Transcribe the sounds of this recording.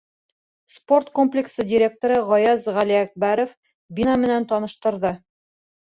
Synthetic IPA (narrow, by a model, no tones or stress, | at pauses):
spo̞rt̪ko̞mplʲɪksɤdʲɪɾʲe̞k̚t̪oɾɤʁɒjɑzʁæliæk̚bæɾof | bʲinamɘ̆nænt̪ɒnɤ̆ʃt̪ɤ̆ɾðɤ